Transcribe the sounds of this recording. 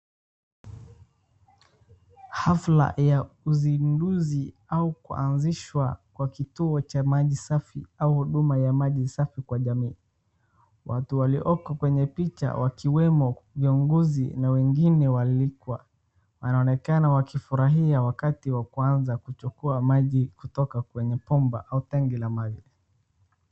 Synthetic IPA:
hafla̰jauzinduzi | aukṵa̰nziʃwakwakituɔt͡ʃamaʄisafiauhuɗumajamaʄisafikwaʄamiː | wa̰tuwaliʔɔkɔkwɛɲɛpit͡ʃa̰wʔakiwɛmɔviuŋɡɔzḭnawɛŋɡinɛwalikwa̰ | wanaɔnɛkanawakifuɾaɦiawakatiwakuanzakut͡ʃukuamaʄikutɔkakwɛɲɛpɔmba̰ʔautɛŋɡilamaʄi

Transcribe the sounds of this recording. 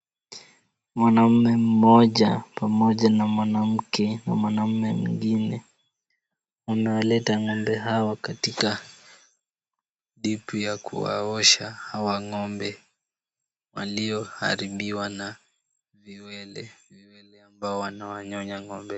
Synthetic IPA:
mwanam̩mɛm̩mɔʄapamɔʄanamwanam̩kʰɛnamwanam̩mɛmuŋɡinɛ | wamɛwalɛtaŋɔmbɛɦawakatika | ɗipujakṵwa̰ɔʃahawaŋɔmbɛ | waliɔha̰ɾiɓiwana | viwɛlɛviwɛlɛambaɔwanawaɲɔɲaŋɔmbɛ

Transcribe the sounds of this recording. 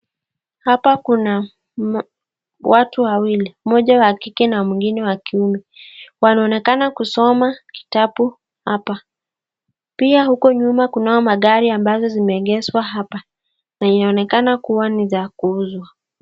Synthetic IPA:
hapakuna | watuwawilimɔʄawakikɛnamwiŋɡinɛwakiumɛ | wanaɔnɛkanakusɔmaki̥tapu | hapa | piahukɔɲumakunaɔmaɠaɾiambazɔzimɛːɠɛswaɦapa | nainaɔnɛkanakuwanizakuuzwa

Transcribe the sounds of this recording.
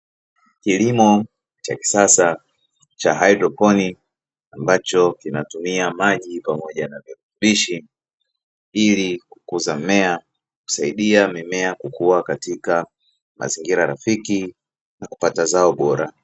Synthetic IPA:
kilimɔ | t͡ʃa̰ki̥sasa | t͡ʃaɦaidɾɔpɔni | ambat͡ʃɔkinatumiamaʄipamɔʄanaviɾutuɓiʃi | iliku̥kuzamɛa | ku̥saiɗiamimɛakukuakatika | mʔa̰ziŋɡiɾaɾafiki | naku̥patazaɔɓɔɾa̰

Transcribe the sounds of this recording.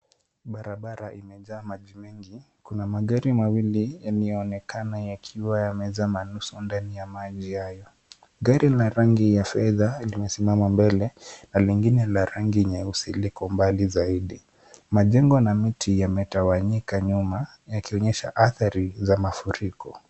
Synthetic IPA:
ɓaɾaɓaɾaʔimɛʄaːmaʄimɛŋɡi | kunamaɠaɾimawilijaniɛɔnɛkanajakʰiwajamɛzamanusundanijamaʄihajɔ | ɠaɾilaɾaŋɡijafɛðalimɛsimamambɛlɛnaliŋɡinɛlaɾaŋɡiɲɛusilikɔmbalizaiɗi | maʄɛŋɡɔnamitʰijamɛtawaɲikaɲuma | jakiɔɲɛʃa̰ʔaθaɾizamafuɾikɔ

